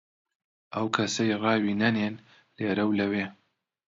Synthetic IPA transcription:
ʔɐwkʰɐsɐjrɑːwiːnɐneːn | leːɾɐwlɐweː

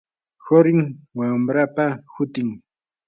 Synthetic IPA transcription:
hoɾɪŋwamɾapahʊt̪ɪŋ

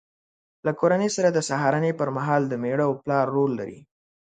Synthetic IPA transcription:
lakoɾanəjsaɾad̪əsaɦɑɾanepəɾmaɦɑld̪əmeɽawplɑɾːolːa̰ɾḭ

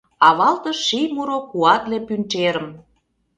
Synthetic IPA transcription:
ɑβɑlt̪ɤ̆ʃijmuɾokuɑt̪lepynt͡ʃeɾə̆m

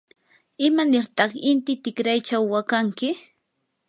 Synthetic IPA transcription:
ɪmanɪɾt̪ɑχɪnt̪ɪt̪ɪkɾajt͡ʃawːakaŋkɪ

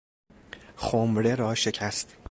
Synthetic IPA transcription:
xomɾeɾɒːʃe̞cʰæst̪

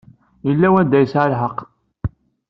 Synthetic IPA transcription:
jəlːæwæd̪æjəsʕalħəqː

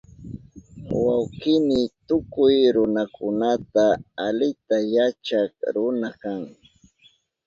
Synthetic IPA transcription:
wawkɪmɪt̪ʊkʊjɾʊnakʰʊnat̪aːlɪt̪ajat͡ʃakɾʊnakaŋ

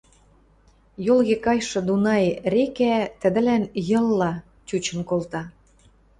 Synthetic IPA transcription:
jolɣekɑjʃɤ̆d̪unɑjɾekæt̪ə̆d̪ə̆lænjɤ̆lːɑ | t͡ɕut͡ɕə̆nkolt̪ɑ

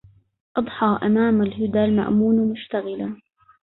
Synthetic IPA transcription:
ʔɑd̪ˤħɑːʔamaːmalɦʊd̪alma̰ʔmuːnamʊʃt̪aɣɪla

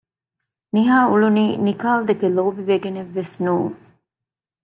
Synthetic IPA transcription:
niɦaːuɭuniːnikaːld̪ekeloːbiʋeɡeneʋːesnuːŋ

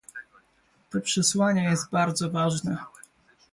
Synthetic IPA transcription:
t̪ɔpʂɛswaɲɛjɛst̪̚baɾd̪zɔvaʐnɛ

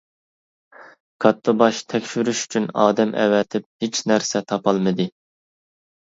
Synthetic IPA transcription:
kʰɑt̪ʰːʊbɑʃt̪ʰɛkʲʃyɾyʃy̥t͡ʃʰynɑːd̪ɛmʔɛ̰wɛt̪ʰɪp̚het͡ʃʰnæɾsɛt̪ʰɑpʰɑlˠmɨd̪ɨ

